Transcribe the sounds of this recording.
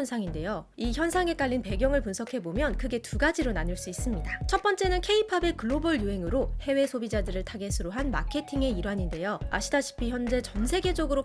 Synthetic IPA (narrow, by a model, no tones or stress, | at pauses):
nsʰaŋinde̞jo | içjʌnsʰaŋe̞k͈aʎːinpe̞ɡjʌŋɯɭpunsʰʌkʰe̞bomjʌnkʰɯɡe̞tuɡad͡ʑiɾonaɲuɭs͈uis͈ɯmɲidat͡ɕʰʌt̚p͈ʌnt͡ɕ͈e̞nɯnkʰe̞ipʰabe̞kɯɭːobɯɭjuɦe̞ŋɯɾohe̞we̞sʰobid͡ʑadɯɾɯɭtʰaɡe̞sʰɯɾoɦanmakʰe̞tʰiŋe̞iɾwaɲinde̞joa̰ɕʰidaɕʰi̥pʰiçjʌnd͡ʑe̞t͡ɕʌnsʰe̞ɡe̞d͡ʑʌɡɯɾo